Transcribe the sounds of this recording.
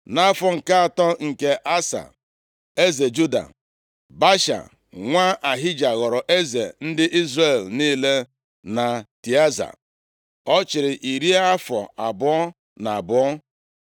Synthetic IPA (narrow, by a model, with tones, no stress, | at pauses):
na˦fɔ˨ŋ̩˨ka˦a˨tɔ˦ŋ̩˨ke˦ʔa˦sa̰˨ | e˦ze˨d͡ʒu˦da̰˨ | ba˦ʃa̰˨ | ŋʷa˦ʔa˨ɦɪ˦d͡ʒa˨ɣɔ˨ɾɔ˨ʔe˦ze˨n̩˦dɪ˦ʔi˦zɾe˨lni˦le˦ | na˨ti˨a˦za̰˨ | ɔ˦t͡ʃɪ˨ɾɪ˨ʔi˨ɾi˦a˦fɔ̰˨a˨bʊ˨ɔ˦ | na˨bʊ˨˦ɔ˦